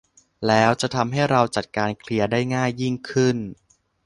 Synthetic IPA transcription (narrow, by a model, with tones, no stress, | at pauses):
lɛː˦˥wt͡ɕa˨˩t̪ʰa˧mɦa˥˩jɾa˧wt͡ɕa˨˩t̪̚kaː˧nkʰli˧ɐdaː˥˩jŋaː˥˩jːi˥˩ŋkʰɯ˥˩n